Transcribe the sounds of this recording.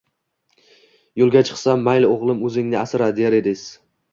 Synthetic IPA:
jolˠɡʲat͡ʃʰɨ̥qsamːajlɪoʁlˠɪmɵzɪŋnɪasɪɾad̪ejaɾed̪ɪs

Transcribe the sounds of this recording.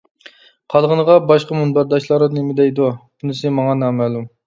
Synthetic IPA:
qʰɑlˠʁənəʁɑbɑʃqɑmunbæɾd̪ɑʃlˠɑɾɨnemɪd̪ɛjd̪ub̥unɪsɪmɑŋɑnɑːmælˠum

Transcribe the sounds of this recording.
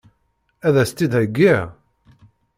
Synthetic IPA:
æðæst̪ːid̪hæɡːiʕ

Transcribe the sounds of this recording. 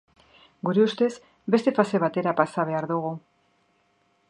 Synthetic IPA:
ɡuɾeust̪e̞z | be̞st̪e̞fase̞β̞at̪e̞ɾapasaβ̞e̞aɾðuɣ̞u

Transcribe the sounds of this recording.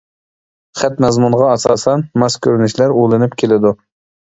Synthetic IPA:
χæt̪mɛzmunʁɑɑsɑːsɛnmɑskʲʰøɾnyʃlæɾojlˠɨnɪpkʲʰelɪd̪u

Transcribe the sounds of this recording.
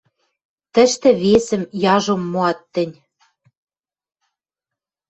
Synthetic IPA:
t̪ə̆ʃt̪ɘ̆βesɘ̆mjɑʒomːoɑt̪ːɘ̆nʲ

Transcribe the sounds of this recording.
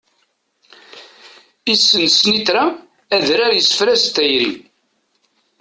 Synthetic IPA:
isːənsnit̪ɾa | æðɾaɾjəsə̥fɾæst̪ːæjɾḭ

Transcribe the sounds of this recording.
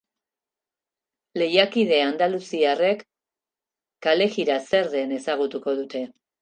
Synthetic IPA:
le̞jakið̞e̞and̪alusiare̞k | ale̞ɣiɾase̞ɾðe̞ne̞saɣ̞ut̪uko̞ðut̪e̞

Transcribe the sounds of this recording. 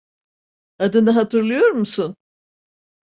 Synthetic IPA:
ad̪ɯnɯɦat̪ʰɯɾlˠɯjo̞ɾmusun

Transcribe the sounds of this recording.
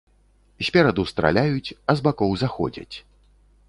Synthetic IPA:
sʲpʲaɾad̪ust̪ɾa̰lʲajut͡sʲɐzbakɔwzaxɔ̰d͡zʲɐ̰t͡sʲ

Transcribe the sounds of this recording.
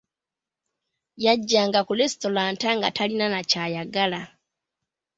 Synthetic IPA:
jaɟːaːŋɡakulesto̞laːntaŋɡatʰalinanacajaɡala

